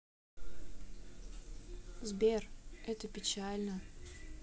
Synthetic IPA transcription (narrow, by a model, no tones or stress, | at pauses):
zbʲerɛt̪əpʲɪt͡ɕalʲnə